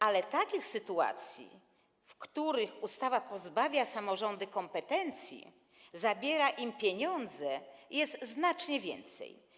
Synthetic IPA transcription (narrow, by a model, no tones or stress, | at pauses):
alɛt̪akʲixsɘt̪ua̰t̪sʲjḭ | fkt̪uɾɘxust̪avapɔzbavʲjasamɔʐɔnd̪ɘkɔmpɛt̪ɛnt̪sʲjḭ | zabʲjɛɾaʔimpʲjeɲɔnd̪zɛjɛst̪znat͡ʂɲɛvʲjɛ̰nt̪sɛ̰j